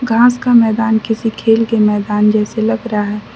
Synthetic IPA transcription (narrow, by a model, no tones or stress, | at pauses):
ɡʱãːskamɛːd̪aːnkɪsikʰeːlkemɛːd̪aːnd͡ʒɛːselɐɡɾəɦaɦɛː